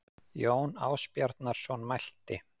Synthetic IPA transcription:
joːwna̰ːwspjaɾt̪naɾ̥svɔnmajl̥t̪ɪ

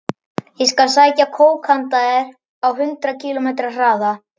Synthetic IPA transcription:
jɛskalsaːjcakʰoːwkʰant̪aɛɾ | awɦʏnt̪ɾacʰiːlomejt̪ɾar̥aːða

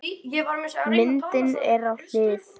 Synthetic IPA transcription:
mɪnt̪ɪnɛɾawl̥ɪːθ

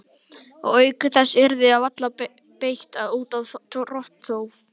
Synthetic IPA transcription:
ɔ̰ɣœːɥkʏθɛsːɪɾðɪaðvat̪la | pejht̪aðuːt̪aðrɔht̪θoːwv

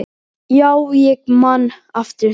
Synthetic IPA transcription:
jawjɪk̚manaft̪ə

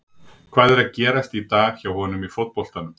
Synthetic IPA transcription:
kʰv̥aːðɛɾaðcɛːɾast̪it̪aːɣçawhɔnʏmifowt̪̚pɔl̥t̪anʏm

